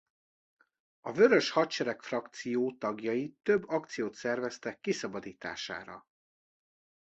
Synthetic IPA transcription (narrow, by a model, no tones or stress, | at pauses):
ɒvø̞ɾø̞ʃhɒtt͡ʃɛɾɛkfrɒkt̪sijoːt̪ɒɡjɒjit̪ø̞bːɒkt̪sijoːt̪sɛrvɛst̪ɛkːisɒbɒd̪iːt̪a̰ːʃa̰ːɾɒ̰